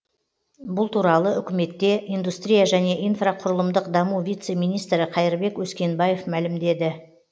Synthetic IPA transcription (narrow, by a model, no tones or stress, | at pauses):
bʊlˠt̪uɾɑlˠəʏkʲɪme̞t̪ːe̞ʔijnd̪ust̪ɾʲijaʒæne̞ʔijnfraqʰʊɾəlˠəmd̪əqd̪ɑmuvʲijt̪se̞mijnijst̪ɾɪqʰɑjɪɾbe̞kwɵskʲe̞nbɑje̞fmælɪmd̪e̞d̪ɪ